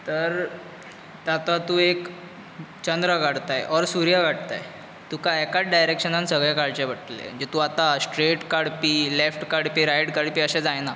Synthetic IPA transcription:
t̪əɾ | t̪at̪at̪uːek | t͡ɕənd̪ɾəɡʱaɽt̪ajʔɔɾsuɾjaɡʱaɽt̪a̰j | t̪ukajekaʈ̚ɖajɾekɕənansəɡɭjakaɭt͡ɕebəʈlḛd͡ʑet̪uat̪asʈɾeʈkaɽpiːlefʈkaɽpiːɾajʈkaɽpiːəɕed͡zajna

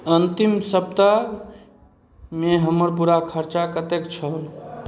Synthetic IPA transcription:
ənt̪imsəb̚t̪a | meɦəməɾpuɾakʰəɾt͡ʃakət̪ekt͡ʃʰəl

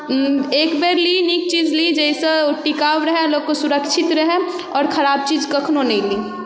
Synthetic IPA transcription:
eːkbeːɾlinik̚t͡ʃiːd͡ʒlid͡ʒɛɪseoʈikaːʋɾəɦẽloɡ̚kosuɾəkʃʰɪt̪ɾəɦẽ | ɔːɾkʰɐɾaːb̚t͡ʃiːd͡ʒkəkʰnonɛ̃ĩliː

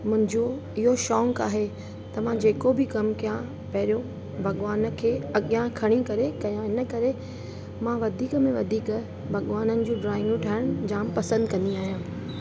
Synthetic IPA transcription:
mʊ̃ɦɪ̃ɲd͡ʑoɪɦoʃɔːŋkaːɦe | t̪ɐʋãd͡ʑeːkobʱɪkɐmkijã | pɐɦɾjõ | bʱɐɠʋaːnə̆kʰeːɐɠjãkʰɐɽ̃ikɐɾekɐjãɪnəkɐɾe | mãʋɐd̪ʱiːkəmẽʋɐd̪ʱiːk | bʱɐɠʋaːnənɪ̆d͡ʑũːɖɾaːɪ̃ŋɡʊ̃ʈʰaːɪɽ̃d͡ʑãːmpɐsə̃nd̪kɐ̃nd̪iaːɦijãː

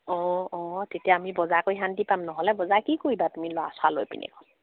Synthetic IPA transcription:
ɔ̃ɔ̃tetjaːmibɔzakojɦantipamnɔɦɔlɛbɔzakikoibatumilɔasalojpḭnɛ̰kɔl

